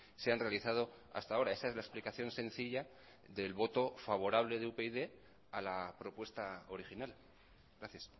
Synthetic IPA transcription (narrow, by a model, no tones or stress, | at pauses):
seanre̞aliθað̞o̞ | a̰st̪ao̞ɾae̞sae̞zlaeksplikaθjõ̞nsẽ̞n̟θiʎa | ðe̞lβo̞t̪o̞faβ̞o̞ɾaβ̞le̞ðeupeiðe̞ | alapɾo̞pwe̞st̪ao̞ɾixinal | ɡɾaθjas